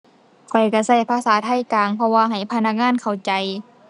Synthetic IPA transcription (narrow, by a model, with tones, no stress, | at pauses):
kʰɔ˨˩jka˧˩sa˧˩jpʰaː˧˥˨saː˨˦t̪ʰa˧˥˨jkaː˨ŋpʰɔ˧waː˧ɦa˨˩jpʰa˧na˧k̚ŋaː˧˥˨nkʰa˨˩wt͡ɕa˨˦j